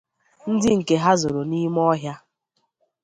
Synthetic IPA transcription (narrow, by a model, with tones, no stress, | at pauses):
n̩˦dɪ˦ŋ̩˨ke˦ɦa˦zo˨ɾo˨ni˦m˦ɔ˦ɦja˦